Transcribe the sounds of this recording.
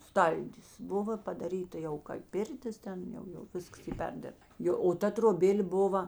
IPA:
ˈstɐlʲdʲɪs ˈbʊʋoː pɐdɐˈrʲiːtɐ jɛʊ kɐɪ ˈpʲɪrʲtʲɪs ˈtʲɛn ˈjɛʊ jɛʊ ˈʋʲɪskɐs ˈiː ˈpʲɛrʲdʲɪrpt ˈjoː oː ˈtɐ troːˈbʲeːlʲ ˈbʊʋɐ

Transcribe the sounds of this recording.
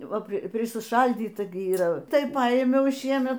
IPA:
ˈʋɐ pʲrʲɪsʲɪˈʃɐlʲdʲiːtɐ ɡʲɪ iːˈrɐ ˈtɐɪ ˈpɐɪmʲɛʊ ˈʃʲiɛmʲɛt

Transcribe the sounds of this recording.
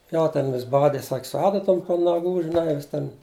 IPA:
ˈjoː ˈtʲɛn ʋʲɪs ˈbɑːdʲɪ sɐkʲ sʊ ˈɑːdɐtoːm poː nɐˈɡuː ʒʲɪˈnɐɪ ʋʲɪs ˈtʲɛn

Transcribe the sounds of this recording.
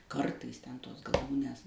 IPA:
ˈkɐrtɐɪs ˈtʲɛn ˈtoːs ɡɐˈlˠuːnʲeːs

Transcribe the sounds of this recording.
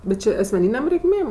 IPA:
bʲɛt ˈt͡ʃʲeː ɐsʲmʲɛˈnʲiːnʲeːm rʲɛɪkˈmʲeːm

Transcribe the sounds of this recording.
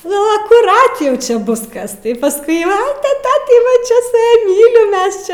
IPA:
nʊ ɐkʊˈrɐt ˈjɛʊ ˈt͡ʃʲɛ ˈbʊs ˈkɐs tɐɪ pɐˈskʊɪ ˈʋɐ tɐɪ ˈtɑː tɐɪ ʋɐ ˈt͡ʃʲɛ sʊ ˈjɛ ˈmʲiːlʲɪm ˈmʲɛs t͡ʃʲɛ

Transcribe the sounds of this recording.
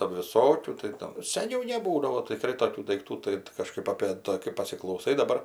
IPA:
ˈtɑːdʊ ʋʲɪˈsoːkʲuː tɐɪ ˈtɐm sʲɛˈnʲɛʊ nʲɛˈbuːdɐʋoː tʲɪˈkrɐɪ toːˈkʲuː dɐɪkˈtuː ˈtɐɪ tɐɪ kɐˈʃkɐɪp ɐpʲeː ˈtɐ kɐɪ pɐsʲɪklˠɐʊˈsɐɪ dɐˈbɐr

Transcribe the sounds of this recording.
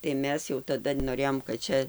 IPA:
tɐɪ ˈmʲɛs jɛʊ tɐˈdɐ noːˈrʲeːjoːm kɐt ˈt͡ʃʲɛ

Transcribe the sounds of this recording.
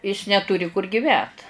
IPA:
ɪs nʲɛtʊˈrʲɪ kʊr ɡʲɪˈʋʲæːt

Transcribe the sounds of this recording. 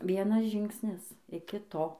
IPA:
ˈʋʲiɛnɐs ˈʒʲɪŋksʲnʲɪs ɪkʲɪ ˈtoː

